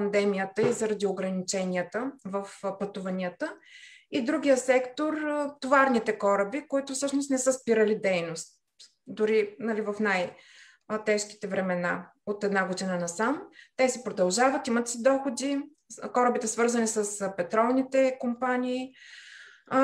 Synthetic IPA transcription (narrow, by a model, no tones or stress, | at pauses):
pɐnd̪ɛmijət̪əizɐɾɐd̪ioɡɾɐnit͡ʃɛniət̪əvəfpɐt̪uvɐniət̪əid̪ɾuɡ̟ʲijəsɛkt̪oɾt̪ovaɾnit̪ɛkɔɾəbikoit̪ʊfsɤʃnost̪nɛsəspiɾəlid̪ɛjnost̪̚ | d̪ʊɾinɐlivɐfnaj | t̪ɛʃk̟i̥t̪ɛvɾɛmɛna̰ | ot̪ɛd̪naɡod̪inənɐsamt̪ɛsipɾod̪ɐlˠʒavət̪imət̪sid̪ɔxod̪i | kɔɾəbit̪ɛsvɤɾzənisəspɛt̪ɾɔlˠnit̪ɛkompanʲiː